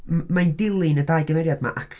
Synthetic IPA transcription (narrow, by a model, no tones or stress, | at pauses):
mmandɪlˠɨnədaːjɨɡəvɛɾjadma̰ʔakʰ